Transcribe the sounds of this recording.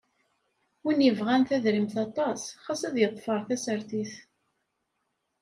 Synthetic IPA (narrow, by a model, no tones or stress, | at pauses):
winjəvʁænθæðɾimθɑt̪ˤɑsχɑsæðjət̪ˤːfəɾˤθæsəɾθiθ